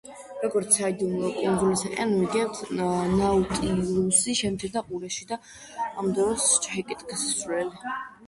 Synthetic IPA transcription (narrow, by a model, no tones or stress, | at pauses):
ɾɔɡɔɾt̪sʰaid̪umɾɔkʼund̪zulisaqʼɛ̰anmiɡɛnt̪ʰnaut̪ʼiusiʃɛmt̪sʰiɾd̪ʰaqʼuɾɛʃid̪aː | md̪ɔɾɔst͡ʃʰaɦɛkʼit̪ʼɡsslɛli